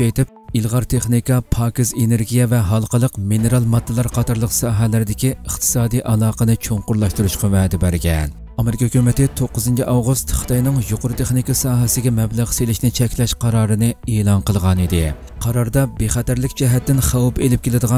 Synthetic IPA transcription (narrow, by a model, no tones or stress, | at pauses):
ɛjt̪ɪp̚ | ilˠʁɑɾt̪ʰeχnikɑpʰɑːkʲizeneɾɡʲijɛvɛɦɑlˠqəlˠəqmineɾɑlˠmɑd̪ːɨlˠɑɾqʰɑt̪ʰɑɾlˠəqsɑːɦɛlɪɾɪd̪ɪkʲiəχt̪ʰɨ̥sɑːd̪ijʔɑlˠɑːqʰənɨt͡ʃʰoŋqʊɾlˠɑʃt̪uɾuʃqɑvɛːd̪ɪbæɾɡʲɛn | ɑmeɾɪkɑhykʲymɪt̪ɪt̪ʰoqːəzɨnt͡ʃʰiʔɑwʁust̪χə̥t̪ʰɑjnɨŋjuqʊɾɨt̪ʰeχnikɑsɑːɦɛsɪɡʲɛmɛblæʁselɪʃnɪt͡ʃʰɛkʲlɛʃqʰɑɾɑːɾɨnɨeːlˠɑnqəlˠʁɑnid̪ɪ | qʰɑɾɑɾd̪ɑbeχɛt̪æɾlɪkʲd͡ʒɛɦɛt̪ːɪnχɑwpelɪp̚kʲelɪd̪əʁɑ